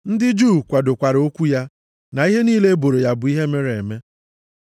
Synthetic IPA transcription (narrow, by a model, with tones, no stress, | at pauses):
n̩˦dɪ˦d͡ʒuː˦˨kʷa˨do˨kʷa˨ɾo˦kʷu˦ja˦ | na˨i˦ɦe˦niː˦le˦e˦bo˨ɾe˨ja˦bʊ˨˦i˦ɦe˦me˦ɾe˨me˦